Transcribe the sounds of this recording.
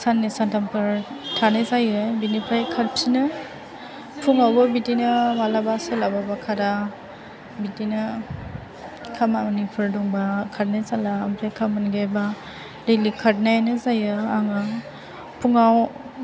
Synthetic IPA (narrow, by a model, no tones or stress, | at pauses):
sanːisantampʰɯɾtʰanɯjzajɯbinipʰajkʰat̚psinɯ | pʰuŋawbɯbitinɯmalabaselababakʰaɾa | bitinɯ | kʰamamnipʰɯɾdɔŋbakʰat̚najsalaːmpʰakʰamanɡeba | ɾelikʰat̚naanɯzajɯaŋɯ | pʰuŋaw